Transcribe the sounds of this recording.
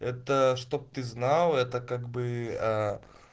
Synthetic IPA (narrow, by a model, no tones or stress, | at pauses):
ɛt̪əʂt̪o̞p̚t̪ɨznalˠɛt̪əkaɡbɨa